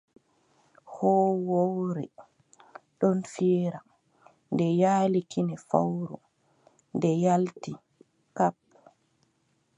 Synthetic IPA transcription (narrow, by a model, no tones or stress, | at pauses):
hɔːwowɾɛ̰ | ɗɔnfiɾa | ndɛjaːlikʰinɛfa̰wɾṵ | ndɛjalti | kap̚